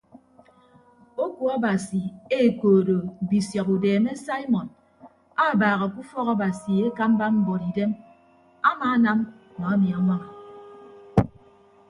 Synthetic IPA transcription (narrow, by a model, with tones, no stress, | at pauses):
o˦ku˨a˦ba˨si˨e˦˨koː˨do˨bi˨sjɔ˨ku˨deː˨me˦sa˦i˦mɔ˨n | a˦˨baː˨ɣa˨ku˦fɔ˦ɣa˦ba˨si˨e˦ka˦m˦ba˦m̩˦bɔ˨ɾi˨de˦m | a˦maː˨˦na˦m˨ | mɔ˨a˦mi˨a˨ŋʷa˦ŋa˨